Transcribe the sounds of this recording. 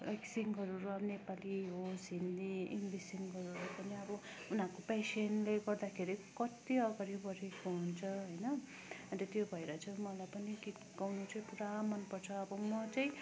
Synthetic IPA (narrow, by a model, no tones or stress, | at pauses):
eksiŋɡɦʌɾuɾuabnepaliɦosɦind̪iinbisiŋɡɦʌɾulajpʌniʌbʌ | unɦãkopesenleɡʌrd̪akʰeɾikʌt̪iʌɡʌɾibʌɾekoɦunt͡sʰʌɦʌjnʌ | ʌɾʌt̪jobʱʌeɾʌt͡sʰʌmʌlajpʌnikit̪ɡawnut͡sʌĩpuɾamʌnpʌrt͡sʰʌːbʌmʌt͡sʌĩ